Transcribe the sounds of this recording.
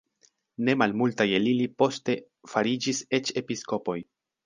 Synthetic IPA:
ne̞malmultaje̞lilipo̞ste̞ | faɾid͡ʒise̞t͡ʃe̞pisko̞po̞j

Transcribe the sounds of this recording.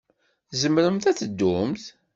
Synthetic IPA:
zəmɾəmθæt͡sːəd̪ːʊmθ

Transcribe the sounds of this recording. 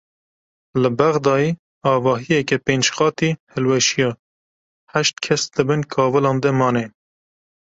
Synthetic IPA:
lɨbæɣd̪ɑːjiː | ɑːvɑːɦijɛkɛpeːnd͡ʒxɑːt̪ihɨlwɛʃijɑː | hæʃt̪̚kʰɛsd̪ɨbɨnkʰɑːvɨlɑ̃ːnd̪ɛmɑːne

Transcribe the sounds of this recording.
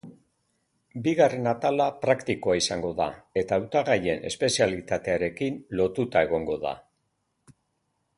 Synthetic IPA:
biɣare̞nat̪alapɾakt̪iko̞aisaŋɡo̞ða̰e̞t̪aːwt̪aɣaje̞ne̞spe̞sialit̪at̪e̞aɾe̞kinlo̞t̪ut̪ae̞ɣ̞o̞ŋɡo̞ða̰

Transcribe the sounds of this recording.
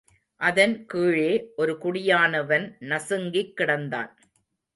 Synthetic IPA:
ʔɐðɐnkiːɻeːʔɔɾɯkʊɽɪjaːnɐʋɐnnɐsɯŋɡɪkːɪɽɐnd̪a̰ːn

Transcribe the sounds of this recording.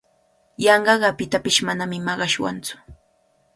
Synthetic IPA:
jɑɴɢɑɢɑpɪt̪apɪʃmanamɪmɑɢɑʃwa̰nt͡sʊ̥

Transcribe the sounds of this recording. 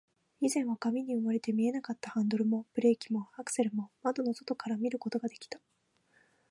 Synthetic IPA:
izẽ̞ɰ̃βakamʲiɲ̟iɯmaɾe̞t̪e̞mʲie̞nakat̪ːahãnd̪o̞ɾɯ̟mo̞bɯ̟ɾe̞ːkʲimo̞akɯ̟̥se̞ɾɯ̟mo̞mad̪o̞no̞so̞̥t̪o̞kaɾamʲiɾɯ̟ko̞t̪o̞ɡad̪e̞kʲi̥t̪ḁ

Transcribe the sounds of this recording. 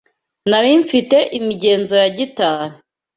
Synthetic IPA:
naɾiɱfite̞ʔimiɟe̞ːnzo̞jaɟitaːnu

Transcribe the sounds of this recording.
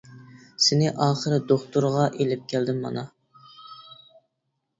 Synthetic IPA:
sɪnɪʔɑːχəɾɪd̪oχt̪uɾʁɑʔelɪp̚kʲʰæld̪ɪmːɑ̰nɑ

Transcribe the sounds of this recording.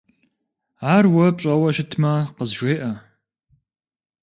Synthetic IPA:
aːrwɐpʼɕʼɐwɐʃɪtʰmɐqəzʒʷeːʔɐ

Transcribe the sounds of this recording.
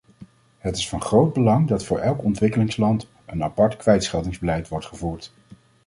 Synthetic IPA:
ɦətɪsfɑnχrowd̚bəlɑŋdɑtfʊːɹʔɛlˠkɔntʋɪkəlɪŋslɑnt | ənɑpɑɹtkʋɛjtsχɛlˠdɪŋzbəlɛjtʋɔɹtχəvuːɹt

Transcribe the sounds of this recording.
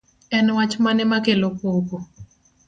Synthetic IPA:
ɛnwat͡ʃmanɛmakelopoko

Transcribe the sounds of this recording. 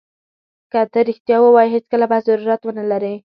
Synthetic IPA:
kat̪əɾɪxt̪jɑwəwɑjiɦet͡skəlabazaɾuɾat̪wənəlaɾi

